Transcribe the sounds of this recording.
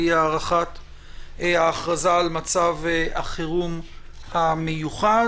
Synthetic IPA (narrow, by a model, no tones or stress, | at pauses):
iaʁaχat | eaːχʁazaːlmat͡saveaχiʁum | hamejuχa